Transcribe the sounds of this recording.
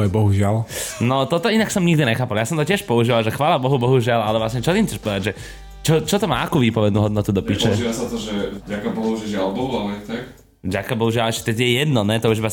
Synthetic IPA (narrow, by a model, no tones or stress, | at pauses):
ɛbɔɦuʒɪalnɔt̪ɔt̪ɔinaksɔmɲiɡd̪iɲɛxaːpaljaːsɔmt̪ɔcɛʃpɔuʒiʋalʒɛxʋaːlabɔɦubɔɦuʒɪalalɛvʋlasɲɛt͡ʃɔt̪iːmtt͡sɛʃpɔʋɛd̪aɟʒɛ | t͡ʃɔt͡ʃɔt̪ɔma̰ːakuʋiːpɔʋɛd̪nuɦɔd̪nɔt̪ud̪ɔpiːʃɛʒiʋasat̪ɔʒɛɟakabɔɦuʒɛʒɪalbɔɦualɛɛt̪ak | vɟakabɔɦuʒɪalɛʃcɛ̥t̪ɛt̪jɛjɛd̪nɔnɛt̪ɔuʒiba